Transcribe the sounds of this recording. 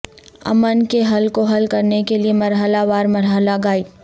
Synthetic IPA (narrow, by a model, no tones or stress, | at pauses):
ɐ̰mənkeɦɐlkoɦɐlkɐɾnekeliemɐɾɦəlaʋaːɾmɐɾɦəlaɡaːi